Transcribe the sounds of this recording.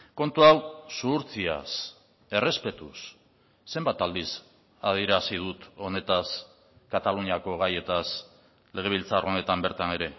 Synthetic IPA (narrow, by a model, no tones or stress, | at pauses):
ko̞nt̪uawsuːɾt͡sia̰s | e̞re̞spe̞t̪usː | e̞mbat̪ald̪is | a̰ðiɾasið̞ut̪o̞ne̞t̪as | kat̪aluniako̞ɣaje̞t̪as | le̞ɣ̞e̞β̞ilt͡saro̞ne̞t̪ambe̞ɾt̪ane̞ɾe̞